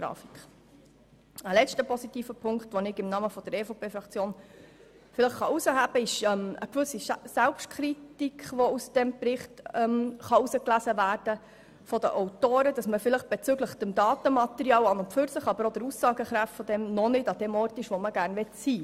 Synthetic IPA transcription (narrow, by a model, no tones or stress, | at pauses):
ɡ̥ɾɑ̰ːfikχ | əlɛt͡ʃtəpɔsitiːfəpʰʊŋkt̪ʋɔnɪɡɪmnɑːməfɔd̥əɾɛfopʰeːfɾɑkt͡sjoːn | fɪləχχɑusəhæb̥əɪʃɛmə̰kʋʏsisælpʃtkʰχɾitikʰχʋɔusd̥ɛmpɾɪχtɛmχɑusəklæzəvæːɾd̥ə | fɔdəʔɔʊtoːɾəd̥ɑsməfɪləχb̥ɛt͡sʏɡləχd̥əmdɑːtəmɑt̪ɛɾiɑːlɑnʊnpfyɾsəχɑbəɾɔd̥̪əɾusɑːɡəχɾæftfɔd̥̪ɛmnɔnɪdɑd̥̪ɛmɔɾtɪʃʋɔməɡæːɾnʋɛtsiː